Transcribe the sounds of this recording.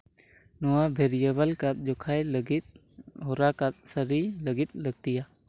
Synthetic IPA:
nɔwabʱɛɾijəbəlkat̪̚ˀd͡ʒɔkʰajləɡit̪̚ | ɦɔɾakat̪̚səɾiləɡit̪̚ləɡ̚t̪ija

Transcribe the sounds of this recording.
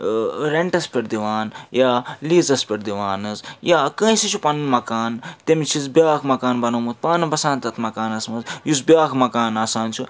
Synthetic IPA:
ɾeɳʈɐspʲeʈd̪iʋaːnjaːliːzɐspʲeʈd̪iʋaːnɨzjaːkə̃ĩsit͡ʃʰupɐnnmɐkaːnt̪emit͡ʃʰizbjaːkʰmɐkaːnbɐnɐmut̪̚paːnɨbɐsãːnt̪ɐt̪ʰmɐkaːnɐsmɐzjusbʲjaːkʰmɐkaːnaːsaːnt͡ʃʰu

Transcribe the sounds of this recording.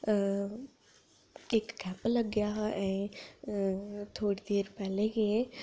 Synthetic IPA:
ekːɛːpəlɐɡjaɛ̃ː | t̪ʰoːɽid̪eːɾpɛːlekʰe

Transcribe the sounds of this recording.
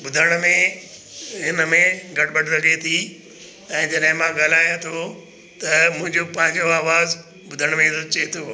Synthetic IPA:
bʊd̪ʱəɽ̃mẽ | ɦɪnəmẽɡʱɐʈ̚ʰbɐʈʰɾɐɡʱet̪ʰi | ɛ̃ːd͡ʑɐɗɦɪ̃mãɡaːlaːjãt̪ʰo | t̪ɐmʊ̃ɦɪ̃ɲd͡ʑopɐ̃ɦɪ̃ɲd͡ʑoaːʋaːz | bʊd̪ʱəɽ̃mẽt̪t͡ɕɐet̪ʰoː

